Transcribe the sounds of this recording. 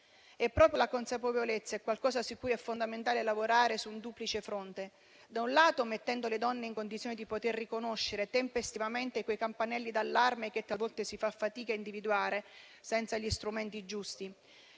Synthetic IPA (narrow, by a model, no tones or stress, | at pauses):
ɛpːɾɔːpɾjolakonsapevolet̪sːaɛkːwalkɔːzasukːujɛfːond̪ament̪aːlelavoɾaːɾesund̪uplit͡ʃefɾont̪e | d̪aunlaːt̪omet̪ːɛnd̪oled̪ɔnːeiŋkond̪it̪sjonid̪ipot̪erːikonoʃːeɾet̪empest̪ivament̪ekwejkampanɛlːid̪alːarmeket̪ːalvɔlt̪esifafːat̪iːkaind̪ivid̪uwaːɾe | sɛnt̪saʎist̪ɾument̪id͡ʒust̪i